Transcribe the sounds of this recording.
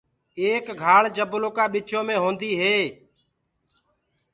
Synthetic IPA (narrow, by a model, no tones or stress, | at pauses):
eːkɡʱaːɭd͡ʒəbloːkaːɓɪt͡ʃʰõːmẽːɦõːnd̪iːɦeː